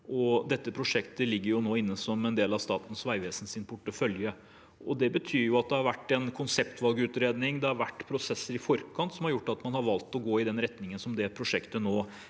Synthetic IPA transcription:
ʔɔd̪ɛt̪ːəpʰɾʊʂɛkt̪əlɪɡːəɾjʊnoːɪnːəsɔmɛnd̪eːlɑʋst̪ɑ̰ːt̪n̩sʋæɪʋeːsən̩sɪnpʰʊʈːəfœljə | ɔd̪ɛbət̪ʰyːɾjʊɑt̪̚d̪ɛhɑɾʋæʈːɛnkʰʊnsɛpt̪ʋɑlɡəʉːt̪ɾeːd̪nɪŋd̪ɛhɑɾʋæʈːpʰɾʊsɛsːəɾɪfɔɾkʰɑnt̪sɔmhɑɾjʊʈːɑt̪mɑnhɑɾʋɑlt̪ɔɡoːɪd̪ɛnɾɛt̪nɪŋənsɔmd̪ɛpʰɾʊʂɛkt̪ənoː

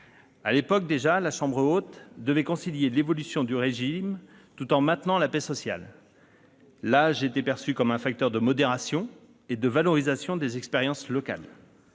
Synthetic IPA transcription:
alepɔk̚d̪eʒalaʃɑ̃bʁəot̪d̪əvɛkɔ̃siljelevɔlysjɔ̃d̪yʁeʒim | t̪ut̪ɑ̃mɛ̃t̪nɑ̃lapɛsɔsja̰l | aʒeːt̪epɛʁsykɔmɛ̃fak̚t̪œʁd̪əmɔd̪eʁasjɔ̃ | ed̪əvalɔʁizasjɔ̃d̪ezɛkspeʁjɑ̃slɔka̰l

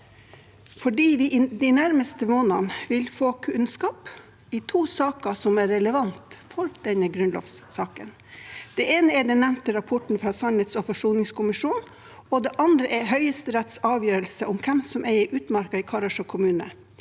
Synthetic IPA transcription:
fɔɖiːʋɪʔd̪ɪnæɾməst̪əmoːnɑnʋɪlfoːkʰʉnskɑːp | ɪt̪ʰuːsɑːkəsɔmæɾːɛləʋɑnt̪fɔɾd̪̥ɛnəɡɾʉnlo̰ːʋsːɑːkən | d̪̥ɛeːnəɛɖɛnːæmnt̪əɾɑpʰɔʈɳ̩fɾɑːsɔnhɛt̪sɔfɔʂuːnɪŋskʰʊmɪʂuːn | ɔd̪ɛːʔɑnd̪ɾəʔɛɦœʏəst̪əɾɛt̪sɑːʋjøːɾəlsəʔʊmkʰɛmsɔmʔæɪʔʉːt̪mɑɾkɑɪkʰɑɾɑʂɔkʰʊmʉːnə̰

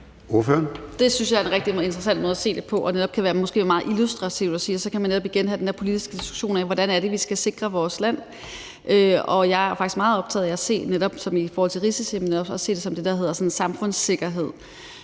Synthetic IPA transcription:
o̝ɐføɐnd̥e̝synsjɑ̈ɪæɐe̝nʁɛɡ̥̚d̥ie̝nd̥ʁɐsæn̰d̥mɔ̽ðˠɐsḛːd̥e̝pʰɒ̽ʔɒ̽neɾ̥ɒ̽b̥̚kʰæʋæːɐmɔ̽sɡ̥e̝̰ːmɑ̈ːð̩ˠʔilusd̥ʁɑ̈t͡sʰiʊd̥ɒsiːɒsɒ̽kʰæmænːeɾɒ̽b̥iɡ̥enɦædende̝ɐpʰolid̥isɡ̥əd̥isɡ̥u̥ɕo̝̰ːnɛʋɒɾ̥ænæɐɾ̥e̝ʋisɡ̥æse̝ɡ̥ʁɐʋɒːslæn̰ | ʔøɒ̽jɑ̈ɪæfɑɡ̥isɡ̥mɑ̈ːð̩ˠɒ̽b̥̚t͡sʰɛ̰ːðˠiæse̝̰ːneɾ̥ɒ̽b̥sɒ̽mifɒːhɒl̰t͡sʰe̝lʁisisimneɾɒ̽b̥ɒse̝̰ːde̝sɒ̽md̥e̝d̥ɑɦeðˠɐsɒ̽n̩sɑ̈mfɔ̽n̰se̝ɡ̥ɐɦe̝ð̞̰ˠ

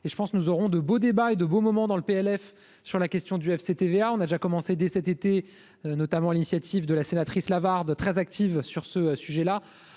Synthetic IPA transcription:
eʒəpɑ̃sknuzɔʁɔ̃d̪əbod̪ebaed̪əbomɔmɑ̃d̪ɑ̃ləpeɛlɛf | syʁlakʲɛst̪jɔ̃d̪yɛfset̪eveaɔ̃nad̪eʒakɔmɑ̃sed̪ɛsɛt̪et̪e | nɔt̪amɑ̃linisjat̪ʰivd̪əlasenat̪χislavaʁd̪t̪χɛzak̚t̪ʰivsyʁsəsyʒɛla

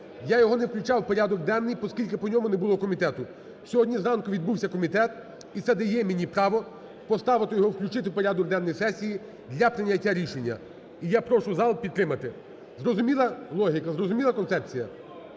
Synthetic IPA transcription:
jajɔɦɔnewklʲʊt͡ʃɑwpɔɾʲad̪ɔɡ̚d̪ɛnːɨjpɔskʲilʲkɪpɔnʲɔmʊnebʊlˠɔkɔmʲit̪ɛt̪ʊ | sʲɔɦɔdʲnʲizɾɑnkʊʋʲid̪̚buwsʲɐkɔmʲit̪ɛt̪ | it̪sɛd̪ɐjɛmʲinʲipɾɑʋɔ | pɔst̪ɑʋɪt̪ɔjɔɦɔwklʲʊt͡ʃɪt̪ɪwpɔɾʲad̪ɔɡ̚d̪ɛnːɔjsɛsʲiji | d̪ʲlʲɐpɾɪnʲɐtʲːaɾʲiʃenʲːɐ̰ | ijapɾɔʃʊzɑlˠpʲid̪t̪ːɾɪmɐt̪ɪ | zrɔzʊmʲilˠɐlˠɔɦʲikɐzrɔzʊmʲilˠɐkɔnsɛpt͡sʲijɐ

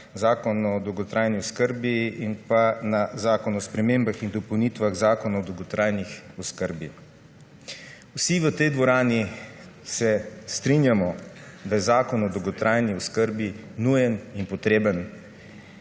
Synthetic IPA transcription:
zaːkɔnɔːd̪ɔwɡɔt̪ɾaːjniɔskəɾbiinpanazaːkɔnɔspɾɛmeːmbaxind̪ɔpəwnit̪ʋaɣzaːkɔnaɔd̪owɡɔt̪ɾaːjnixɔskəɾbi | wsiʋət̪ɛjd̪ʋɔɾaːni | sɛst̪ɾinjamɔd̪ajɛzaːkɔnɔd̪ɔwɡɔt̪ɾajniɔskəɾbinujɛninpɔt̪ɾeːbən

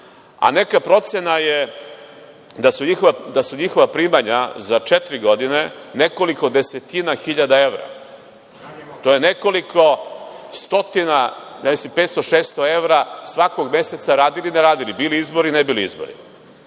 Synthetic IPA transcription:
a̰ne̞kapɾo̞t̪sjenaje | d̪asuɲixoʋad̪asuɲixoʋapɾiːmaɲazat͡ʃet̪ɾiɡo̞d̪ine̞ne̞ko̞liko̞d̪e̞set̪inaxiʎad̪ae̞ʋɾa̰ | t̪o̞jene̞ko̞likʰo̞st̪o̞t̪inajamisimpet̪st̪oʃeːst̪oe̞ʋɾasʋakoɡmje̞se̞t̪saɾaːd̪ilineɾaːd̪ilibiːliizbo̞ɾinebiːliḭzbo̞̰ɾḭ

